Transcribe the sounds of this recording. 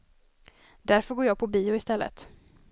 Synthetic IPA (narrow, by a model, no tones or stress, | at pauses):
d̪æɾfœɡoːɾjɑːɡ̚pʰɔbiːʊɪst̪ɛlːə̰t̪